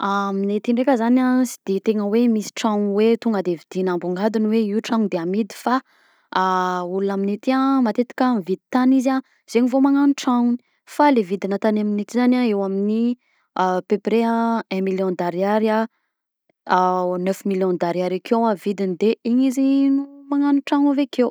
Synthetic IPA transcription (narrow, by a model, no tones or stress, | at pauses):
aminet̪iɳɖ͡ʐekʲəzanasi̥d̪̥et̪eŋəwemisi̥ʈ͡ʂawwet̪uŋɡəd̪evid̪̥inambuŋɡad̪unweiuʈ͡ʂaŋd̪eamid̪i̥fa | ulunaminet̪iamat̪et̪i̥kamivid̪it̪aniza | z̥eɲivomaŋanʈ͡ʂaŋuni̥ | falevid̪inat̪anaminet̪izanaewamini | pepɾeaɛ̃miljɔ̃nd̪aɾaɾia | nøfmiljɔ̃nd̪aɾiaɾakʰewavid̪ind̪eiɲizinumaŋanuʈ͡ʂaŋuvekʰew